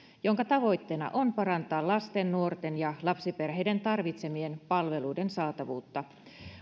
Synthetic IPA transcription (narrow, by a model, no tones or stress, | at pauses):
jo̞ŋkɑt̪ɑʋo̞jt̪ːe̞ːnɑ̰ʔonpɑɾɑnt̪ɑːlɑst̪enːuort̪enjɑlɑpsiperɦe̞jde̞nt̪ɑrʋit̪se̞mie̞npɑlʋe̞lujdensɑːt̪ɑʋṵːt̪ːɑ